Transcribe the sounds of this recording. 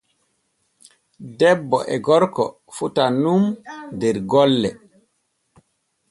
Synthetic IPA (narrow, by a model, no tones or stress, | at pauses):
dɛbːɔʔɛɡɔɾkɔ | futanumdɛɾɡɔlːɛ